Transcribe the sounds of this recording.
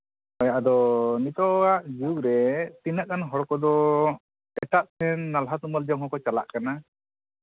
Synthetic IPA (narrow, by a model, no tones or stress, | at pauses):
ɔjaʔd̪ɔnit̪ɔwaʔd͡ʒuukɾɛt̪inaʔkanɦɔɽɔkɔd̪ɔ | ɛʈaʔt̪ʰɛnːalɦat̪umald͡ʒaɦɔ̃kɔt͡ʃala̰ʔkana